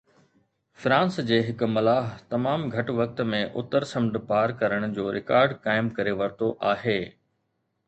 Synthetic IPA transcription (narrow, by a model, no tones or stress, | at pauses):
fɾãːnsd͡ʑeːɦɪkmɐlaːɦt̪ɐmaːmɡʱɐʈʋɐk̚t̪mẽʔʊt̪əɾsɐ̃mɖ̪paːɾkɐɾəɽ̃ʊd͡ʑoːɾɪkaːɾɖkaːɪmkɐɾeʋɐɾt̪oʔaːɦeː